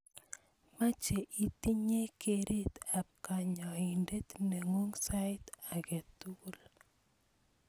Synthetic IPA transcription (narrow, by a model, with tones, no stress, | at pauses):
ma˦t͡ʃeʔi˨t̪i˦ɲe˦kʰeɾʔe˦t̪a˨p̚ka˨ɲɔ˨inde˦t̪nɛ˨ŋo˦ŋsaɪt̪a˨ɡɛ˨t̪u˦l